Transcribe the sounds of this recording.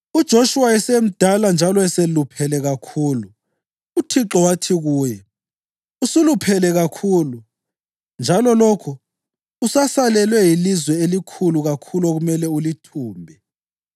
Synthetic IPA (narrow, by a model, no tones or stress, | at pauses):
ud̥ʒ̥ʱoʃuwaɛsem̩d̥ʱaland͡ʒʱalɔɛselupʰɛlɛɣakʰuːlu | utʰiǁɔwatʰiɣuːjɛ | usulupʰɛlɛɣakʰuːlu | nd͡ʒʱalɔlokʰu | usasalɛlwɛjilizwɛelikʰuluɣakʰulɔɣumɛlɛulitʰuːmbʱɛ